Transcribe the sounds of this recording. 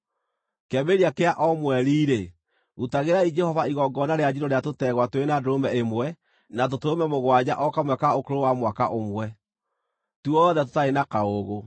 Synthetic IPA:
kɛmeɾiakeaʔɔmwɛɾiːɾe | utaɣeɾaid͡ʒɛhɔvaiɣɔɡɔnaɾead͡ʑiɾoɾeatotɛɣwatwenadoɾomɛemwɛ | nat̬otomɛmoɣwad͡ʑaʔɔkamwɛkaokoɾowamwakaʔomwɛ | tuɔðɛt̬o̥taenakaoɣo

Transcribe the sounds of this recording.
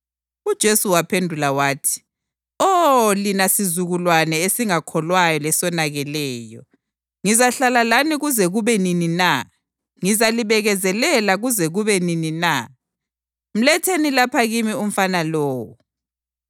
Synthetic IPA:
ud̥ʒ̥ʱesuwapʰendʱulawaːtʰi̥ | ɔlinasizuɣulwanɛesiŋakʰɔlwajɔlɛsɔnaɣɛlɛːjɔ | ŋizaɬalalaniɣuzɛɣuβɛninina | ŋizaliβɛɣɛzɛlɛlaɣuzɛɣuβɛninina̰ | m̩lɛtʰenilapʰaɣimium̩fanalɔːwu

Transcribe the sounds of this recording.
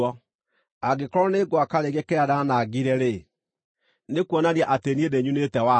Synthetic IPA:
ɔ | aɡekɔɾɔneɡwakaɾeɣɛkɛaɾanaɡiɾɛɾe | nekwɔnaɾiaʔateniedeɲunetɛwa

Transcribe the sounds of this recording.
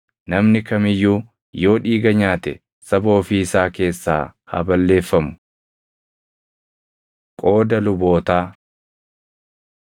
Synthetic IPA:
nɐmnɪkɐmɪjːuː | jo̞ːᶑiːɡɐɲaːt̪ɛ̰ | sɐbo̞ːfiɪsaːke̞ːsːa̰ːhɐ̰bɐlːe̞ːfːɐmʊ̥ | kʼo̞ːd̪ɐlʊbo̞ːt̪aː

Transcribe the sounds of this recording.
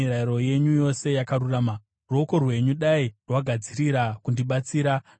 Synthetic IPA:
iɾaiɾo̞je̞ɲujo̞se̞jakaɾuraːma | rwoko̞rwe̞ɲuɗairwaɡʱad͡ziɾiɾakundiɓat͡siːɾa

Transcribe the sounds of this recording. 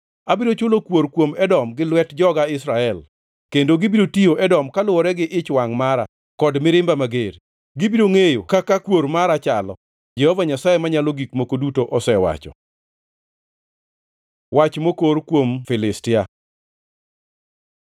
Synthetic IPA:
abiɾot͡ʃʊlokwoɾkwomɛdɔmɡɪlwɛtd͡ʒɔɡaɪsɾaɛl | kendoɡibiɾotioʔɛdɔmkalʊwɔɾɛɡɪʔɪt͡ʃwaŋmaɾa | kɔdmɪɾɪmbamaɡeɾ | ɡɪbiɾoŋejokakakwoɾmaɾat͡ʃalɔ̰ | d͡ʒɛhovaɲasajemaɲaloɡikmokodutoʔɔsɛwa̰t͡ʃɔ̰ | wat͡ʃmokoɾkwomfɪlɪstɪa

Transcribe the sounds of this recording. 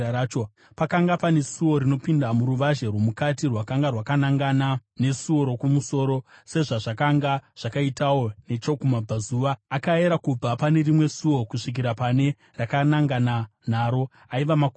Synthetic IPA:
aːt͡ʃo | pakaŋɡapane̞suwo̞ɾino̞pindamuɾuʋaʒerwomukatirwakaŋɡarwakanaŋɡanane̞suwo̞ɾo̞kumuso̞ːɾo̞se̞ʐaʐakaŋɡaʐ̥akaitawo̞ne̞t͡ʃo̞kumab͡vazuʋaːkaeɾakub͡vapane̞rimwe̞suo̞kuʂik̬iɾapane̞ | rakanaŋɡanan̤aːɾo̞ | aiʋamak

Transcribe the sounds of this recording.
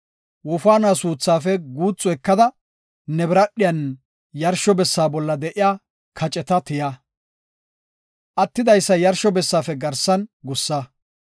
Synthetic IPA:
wɔfaːnaːsuːt͡sːaːfɛɡuːt͡sʼːɔɛkːɐd̪ɐ | nɛbɪɾɐɗːɪjɐn | jɐɾʃɔbɛsːaːbɔlːɐd̪ɛʔɪjaː | kʰɐt͡ʃʼɛt̪ɐt̪ɪja | ʔɐt̪ːɪd̪ɐjsːɐjɐɾʃɔbɛsːaːfɛɡɐɾsɐnɡʊsːɐ

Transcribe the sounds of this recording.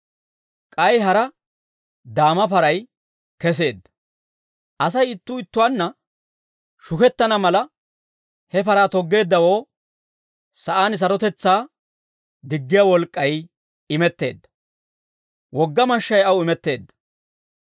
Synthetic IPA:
kʼɐjɦɐɾɐ | d̪aːmɐpɐɾɐj | kɛs̬e̞ːd̪ːɐ̥ | ʔɐsɐjɪt̪ːʊɪt̪ːʊwaːnːɐ | ʃʊkɛt̪ːɐnɐmɐlɐ | hɛpɐɾaːt̪ɔɡːe̞ːd̪ːɐwo̞ː | sɐʔaːnɪs̬ɐɾɔt̪ɛt͡sːaː | d̪ɪɡːɪjawɔlkʼːɐj | ɪmɛt̪ːe̞̰ːd̪ːɐ̥ | wɔɡːɐmɐʃːɐjɐwɪmɛt̪ːe̞ːd̪ːɐ̥

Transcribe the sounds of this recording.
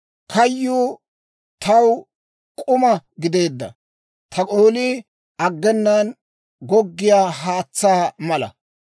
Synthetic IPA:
kʰɐjːuː | t̪ɐw | kʼʊmɐɡɪd̪e̞ːd̪ːɐ̰ | t̪ʰɐkʼoːlɪː | ɐɡːɛnːan | ɡɔɡːɪjaːɦaːt͡sːaːmɐlɐ̰

